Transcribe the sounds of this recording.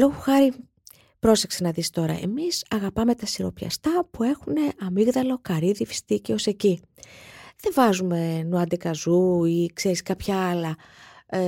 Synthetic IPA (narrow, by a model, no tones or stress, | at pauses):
loɣoxɐɾi | pɾo̞se̞ksenɐðist̪o̞ɾɐ̰ʔe̞̰misɐɣɐpɐme̞t̪ɐsiɾo̞pçɐ̰st̪ɐpue̞xune̞ʔɐmiɣðɐlo̞kɐɾiðifi̥st̪iceose̞ci | ðe̞vɐzume̞nuɐd̪ekɐzuikse̞ɾiskɐpçɐɐlɐ